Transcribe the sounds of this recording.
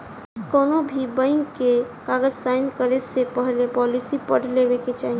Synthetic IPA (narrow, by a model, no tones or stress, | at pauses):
kɔːnobʱibə̃ɪŋkekaːɡəd͡ʒsaːɪnkəɾesepəɦlepɔːlisipəɽ̤leweket͡ʃaːɦie